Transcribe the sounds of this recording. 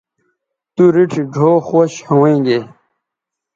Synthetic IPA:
t̪uɾiʈʰiɖʱoːxoɕhɐwẽːɡe

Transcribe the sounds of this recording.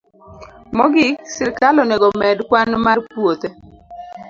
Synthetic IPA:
mɔɡɪsɪɾkalɔneɡɔmɛdkwanmarpwot̪e

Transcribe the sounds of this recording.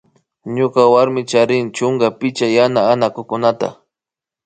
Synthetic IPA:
ɲʊkawaɾmɪt͡ʃaɾɪnt͡ʃʊŋɡapɪt͡ʃajanaːnakʊkʊnat̪a̰

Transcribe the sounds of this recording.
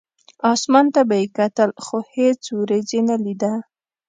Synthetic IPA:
ɑsmɑnt̪abajekat̪əlxohet͡suwɾezenalid̪a

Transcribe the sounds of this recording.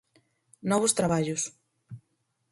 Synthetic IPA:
nɔβʊst̪ɾaβaʎʊs

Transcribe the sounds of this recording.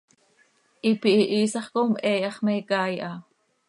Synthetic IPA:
ʔipiʔiʔiːsɑχkomʔɛːjɑχmɛkɑːjʔɑ

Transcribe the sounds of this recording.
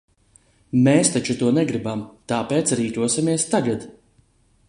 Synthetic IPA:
mɛːst̪at͡ʃut̪uɔnɛɡɾibamt̪aːpeːt̪sɾiːt̪uɔsʲimiɛst̪aɡad̪

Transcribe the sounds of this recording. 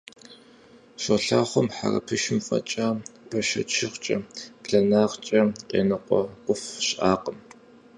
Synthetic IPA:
ɕoɬaːχʷɔmħa̰rɐ̰pʰɨʃɪmfʼɐ̰t͡ʃʼaːpʰɐʃɐt͡ʃʰɪχt͡ʃʼɐpɬɐnaːʁt͡ʃʼɐqʼeːnɨqʷɔkʷʼʊfɕʼʔaːqəm

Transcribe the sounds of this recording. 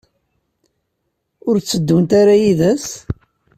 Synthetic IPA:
ʊɾt͡sːəd̪ːunt̪aɾajiðæs

